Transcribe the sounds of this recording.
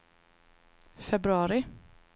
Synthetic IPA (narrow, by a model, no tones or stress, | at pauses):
fɛbɾɵɑːɾɪ